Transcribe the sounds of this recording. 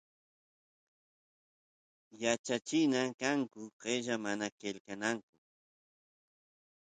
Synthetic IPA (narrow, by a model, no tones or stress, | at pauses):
jat͡ʃat͡ʃɪnakaŋkʊɢeʒamanakelkanaŋkʊ